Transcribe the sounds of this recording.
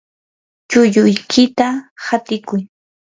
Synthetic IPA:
t͡ʃʊʎʊjkʰɪt̪ahat̪ɪkʊj

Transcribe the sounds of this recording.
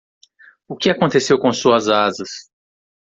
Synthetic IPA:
ʊkɪakõnt̪esewkõsuɐzazɐs

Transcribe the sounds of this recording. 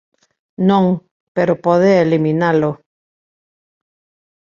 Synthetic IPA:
nõŋ | peɾopɔðeeliminalo

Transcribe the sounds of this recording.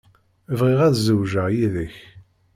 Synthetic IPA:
vʁɪʁæðzəwʒəʁjiðəç

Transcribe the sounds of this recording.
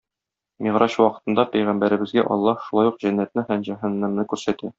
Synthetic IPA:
miʁɾɑɕwɒqɤ̥̆t̪ɤ̆nd̪ɑpɘjʁæmbæɾɘ̆bɘ̆zɡæʔɒ̰lˠːɑhʃulˠɑjuqʑænːæt̪̚nɘhæmʑæɦɤ̆nːɤ̆mnɤkʉɾsæt̪æ

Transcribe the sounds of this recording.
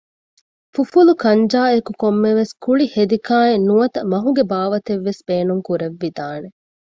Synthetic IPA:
fufulukɐɲd͡ʒaːekukomːeʋeskuɭihed̪ikaːenːuɐt̪ɐmɐɦuɡebaːʋɐt̪eʋːesbeːnuŋkuɾeʋːid̪aːne

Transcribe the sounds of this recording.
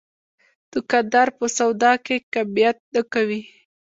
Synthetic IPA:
d̪̥əkad̪ɑɾpəsawd̪ɑkekabijat̪̚nəkawi

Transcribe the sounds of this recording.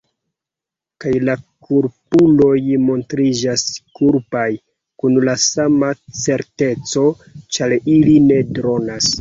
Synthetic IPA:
kajlakʰuɾpulo̞jmo̞ntɾid͡ʒaskuɾpaj | kunlasamat͡se̞ɾte̞t͡so̞ | t͡ʃaɾiline̞dɾo̞nas

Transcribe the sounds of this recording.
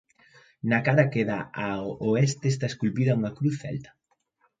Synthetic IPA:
nakaðakeðaaoɛst̪est̪aeskulpiðɐuŋɐkɾuθɛ̰lt̪ɐ̥

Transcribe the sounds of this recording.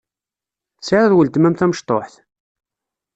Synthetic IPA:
saɾæðwəlt̪mæmθæməʃt̪ˤo̰ħθ

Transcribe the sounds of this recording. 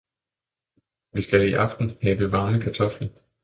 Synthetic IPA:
ʋisɡ̥æiʔɑ̈fd̥n̩hɛːb̥əʋɑ̈ːnəkʰæt͡sʰɒ̽flən̩

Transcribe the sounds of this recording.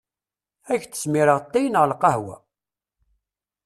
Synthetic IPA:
æçt͡sːə̥smiɾəʁt̪ːæjnʁlqɑhwæ̰

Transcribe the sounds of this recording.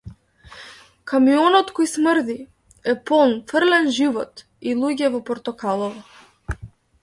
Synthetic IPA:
kamiɔnɔt̪kɔjsməɾd̪i | ɛpɔlˠnfərlɛnʒivɔt̪ | ilˠuɟɛvɔpɔɾt̪ɔkalˠɔvɔ

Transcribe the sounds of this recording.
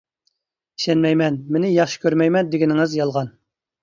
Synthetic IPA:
i̥ʃɛnmɛjmɛnmɪnɪjɑχʃi̥kʲøɾmɛjmɛnd̪ɪɡʲɪnɪŋɨzjɑlˠʁɑn

